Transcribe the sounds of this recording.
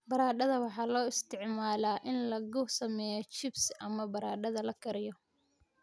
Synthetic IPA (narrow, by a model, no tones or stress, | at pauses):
bɐɾaːɖɐðɐwɑħɑːlɔːɪst̪ʰɪʕmaːlaːʔɪnlɐɣʊsɐmɛːjɔt͡ʃɪbsʔɐmɐbɐɾaːɖɐðɐlɐkʰɐɾɪjɔ